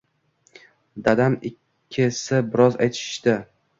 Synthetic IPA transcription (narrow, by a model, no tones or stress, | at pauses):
d̪ad̪amɪkʲʰːɪsabɪɾɒza̰jt̪ʰɪ̥ʃt̪ɪ